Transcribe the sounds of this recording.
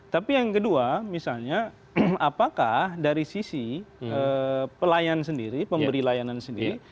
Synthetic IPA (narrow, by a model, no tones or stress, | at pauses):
t̪apijaŋkəduamisalɲa | apakahdaɾisisiəpəlajansəndiɾipəmbəɾilajanansəndiɾi